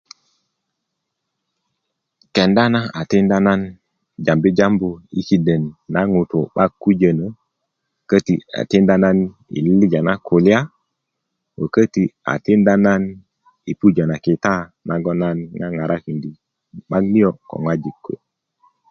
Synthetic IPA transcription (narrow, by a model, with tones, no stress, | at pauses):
ke˨nda˦na˦a˨ti˦nda˦na˦n | d͡ʒa˨mbi˦d͡ʒa˦mbu˨ḭ˦ki˨də˨nːa˦ŋu˨to˨ɓa˦ɡu˦d͡ʒə˨nə˨ | kə˦ti˨a̰˨ti˦nda˦na˦n | ḭ˨lli˦d͡ʒa˨na˦kʰo˨li˦a˦ | wə˨kə˦ti˨a̰˨ti˦nda˦na˦n | i˨pu˦d͡ʒa˨na˨ki˨ta˦nʔa˨ɡɔ˦na˦nŋa˦ŋa˨ɾʔa˦ki˨ndi˨ | ɓa˦ɡni˦jo˦ko̰˨ŋwa˦d͡ʒi˨kʰːo̰˨